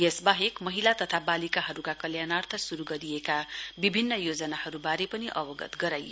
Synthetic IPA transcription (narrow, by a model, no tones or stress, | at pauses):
jesbaɦekmʌɦilat̪ʌt̪ʰabalikaɦʌɾukakʌljanart̪ʰʌsuɾuɡʌɾijekabibʱinːʌjod͡zʌnahʌɾubaɾepʌniʔʌbʌɡʌ̰t̪ɡʌɾaj